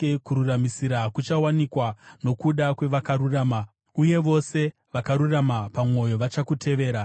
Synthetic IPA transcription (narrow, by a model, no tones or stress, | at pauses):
kuɾuramisiɾakut͡ʃawanikwano̞kuɗakwe̞ʋakaɾuraːma | uje̞ʋo̞se̞ | ʋakaɾuramapamo̞jo̞ʋat͡ʃakutʰe̞ʋe̞ːɾa